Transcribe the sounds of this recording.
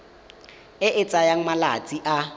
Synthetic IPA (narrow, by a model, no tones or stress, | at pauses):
ɪʔɪt͡sʼajaŋ̩mala̰t͡sʼiʔa